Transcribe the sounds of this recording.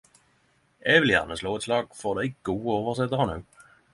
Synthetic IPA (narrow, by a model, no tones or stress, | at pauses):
ʔɛʋɪljæ̰ʁnəsloːɛt̪slɑːɡ̥̚fɔd̪æɪɡ̥uːəoːʋəsɛt̪əʁənʉː